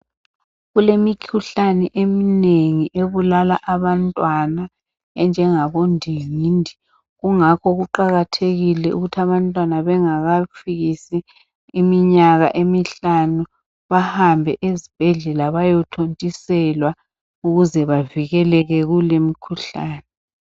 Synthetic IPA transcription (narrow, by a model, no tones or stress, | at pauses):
ɣulemikʰuɬanɛʔemineŋiʔeβulalaʔaβantʼwana | ɛnd͡ʒʱɛŋaβondʱiŋiːndʱi | ɣuŋakʰɔɣuǃaɣatʰeɣilɛʔṵɣutʰaβantʼwanaβɛŋaɣafiɣisiː | miɲaɣa̰ʔemiɬanu | βahambʱɛʔezib̥ʱɛɮɛlaβajɔtʰontʼisɛlwa | uɣuzɛβaviɣɛlɛɣɛɣulemikʰuɬaːnɛ